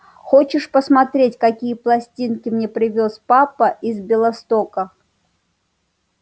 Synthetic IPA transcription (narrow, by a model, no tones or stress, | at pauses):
xot͡ɕɪʂpəsmɐt̪ɾʲetʲkɐkʲijəplˠɐsʲtʲinkʲɪmnʲepɾʲɪvʲospapəʔizbʲɪlˠɐst̪okə